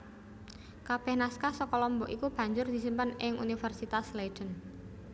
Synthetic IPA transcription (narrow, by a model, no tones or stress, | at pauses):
kab̥ɛhnaskasɔkɔlɔmbɔʔikub̥ä̤ɲd͡ʒʊrd̪̥i̤simpənɪŋʔṵnifɛrsit̪asled̥ən